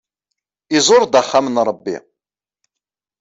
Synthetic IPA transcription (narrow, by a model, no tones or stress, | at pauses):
izˤoɾˤd̪aχːamənɾˤəbːḭ